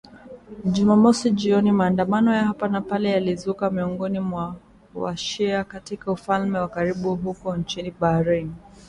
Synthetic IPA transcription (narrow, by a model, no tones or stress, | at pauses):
ʄumamɔsiʄiɔnimaːndamanɔjahapanapalɛjalizukamiɔŋɡɔnimwa | wa̰ʃɛakatikaufalmɛwakaɾiɓuɦukɔnt͡ʃiniɓaɾin